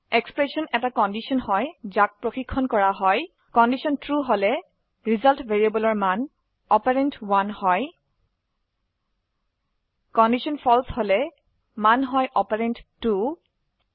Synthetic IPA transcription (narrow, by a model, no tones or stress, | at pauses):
ekspɹesɔnɛtakɔndisɔnhɔjzak̚pɹoxikʰːɔnkɔɹaɦɔj | kɔndisɔntɹuɦolɛ | ɹizaltvʱeɹiabɔlɔɹman | ɔpaɹentwanhɔj | kɔndisɔnpʰɔlsholɛ | manɦɔjʔɔpaɹentːu